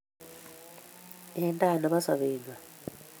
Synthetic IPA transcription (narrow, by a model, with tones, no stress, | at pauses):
ɛntʼa˦˨nɔ˨ɓa˦sa̰˨βeːŋa˨